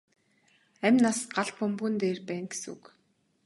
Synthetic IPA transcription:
æmʲnasɢaɮpʊmpuːnt̪eːrpæːŋɡe̥sṵk

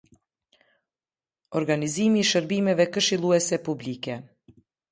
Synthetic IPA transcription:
ɔɾɡanizimiːʃəɾbimɛvɛkəʃilˠuɛsɛpublikɛ

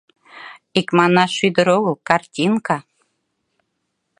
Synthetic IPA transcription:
ikmɑnɑʃyd̪ə̆ɾoɣɤkɑrtʲinka

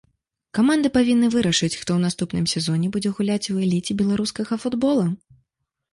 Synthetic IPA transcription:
kamand̪ɨpavʲinːɨvɨɾɐʂɨt͡sʲxt̪ɔwnast̪upnɨmsʲɛzɔnʲɛbud͡zʲɛɣulʲat͡sʲuɛlʲit͡sʲibʲɛlˠaɾuskɐɣɐfud̪bɔlˠu

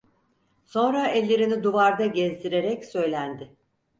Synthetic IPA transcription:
so̞nɾaɛlʲːe̞ɾinid̪uvaɾd̪aɟɛzd̪iɾe̞ɾɛcsø̞jlʲænd̪ɪ

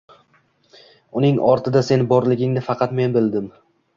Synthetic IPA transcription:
ʊnɪŋɒɾt̪ʰɪd̪ase̞nbɒɾlɪɡʲɪŋnɪfɑqʰɑt̪me̞nbɪld̪ɪm

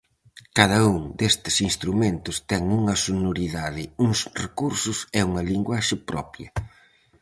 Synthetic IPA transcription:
kaðɐuŋd̪est̪ɪ̥sinst̪ɾumẽnt̪ʊst̪ɛŋuŋɐsonoɾiðaðɪuŋsrekuɾsʊsɛuŋɐliŋɡwaʃɪpɾɔ̰pjɐ

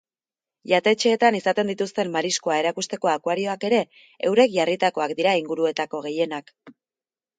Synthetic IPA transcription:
ʎat̪e̞t͡ʃe̞ːt̪anisat̪e̞nd̪it̪ust̪e̞mːaɾiskoae̞ɾakust̪e̞ko̞akwaɾio̞ake̞ɾe̞ | ewɾe̞kʝarit̪ako̞akd̪iɾaiŋɡuɾue̞t̪ako̞ɣ̞e̞je̞nak

